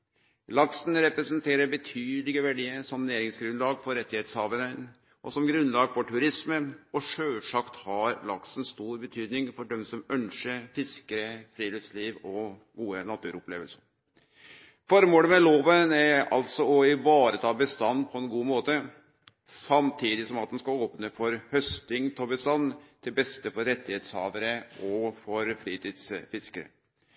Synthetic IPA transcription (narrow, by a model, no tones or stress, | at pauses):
lɑksnɾɛpɾɛsənt̪ʰeːɾəɾbət̪ʰyːd̪lɪɡəʋæɖiːəsɔmnæːɾɪŋsɡɾʉnlɑːɡfɔɾɛt̪ːɪheːt̪shɑːʋənə | ʔɔsɔmɡɾʉnlɑːɡfɔʈʰʉɾɪsməɔʂøːlʂɑkt̪hɑɾlɑ̰ksən̩st̪uːɾbət̪ʰyːd̪nɪŋfɔɖɛmsɔmœnʂəfɪskəɾəfɾiːlifsliːʋɔ | ɡuːənɑt̪ʰʉːɾʊplḛːʋəlsəɾ | fɔɾmoːləmɛloːʋənæɾɑ̰lt̪sɔɔɪʋɑːɾət̪ʰɑːbəst̪ɑnːpʰɔɛnɡuːmoːt̪ə | sɑmt̪ʰiːd̪ɪsɔmɑt̪̚d̪ɛnskɑoːpnəfɔɾhœst̪ɪŋt̪ʰɔbəst̪ɑnːt̪ʰɪlbɛst̪əfɔɾɾɛt̪ːɪheːt̪shɑ̰ːʋəɾəɔfɔɾfɾiːt̪ʰiːd̪sfɪskəɾə̰